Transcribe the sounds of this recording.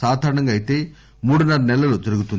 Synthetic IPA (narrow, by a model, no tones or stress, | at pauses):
aːd̪ʱaːɾɐɳɐŋɡaːjit̪e̞ː | muːɽunːɐɽɐnɛlːɐlot̪ɐɾuɡut̪un